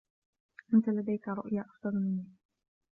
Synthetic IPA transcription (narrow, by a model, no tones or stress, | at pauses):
ʔant̪alad̪ajkaɾˤʊ̰ʔjaːʔɑfd̪ˤɑlmɪnːiː